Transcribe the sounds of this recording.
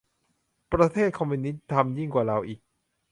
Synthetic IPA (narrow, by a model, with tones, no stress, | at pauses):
pɾa˧t̪ʰeː˥˩t̪̚kʰɔ˧mi˧ni˦˥t̪̚t̪ʰa˧mji˥˩ŋkwaː˨˩ɾa˧wʔiː˨˩k̚